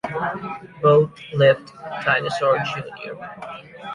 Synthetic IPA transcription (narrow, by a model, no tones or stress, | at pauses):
boʊθlɪvdtʰãɪnɨsɔɹd͡ʒʉnḭɹ